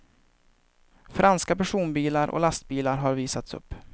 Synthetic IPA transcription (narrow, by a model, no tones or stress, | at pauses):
fɾʔanskapæʂuːnbiːlaɾʔɔ̰last̪̚biːlaɾɦaɾviːsat̪sɵ̰pː